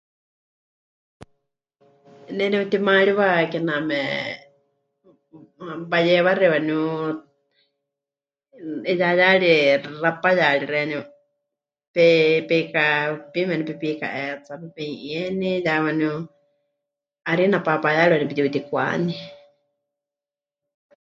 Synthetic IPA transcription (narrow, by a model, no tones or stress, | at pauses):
nɛnɛut̪imaɺiwakɛnamɛ̰ | βajɛwaɾɛwanu | jajaɺirapajaɺiɾɛni | pɛpɛkapimɛnɛpipika̰ʔɛt͡sapɛpɛĩʔiɛnijawanu | aɾinapapajaɺiwanipit̪it̪ikʷa̰ni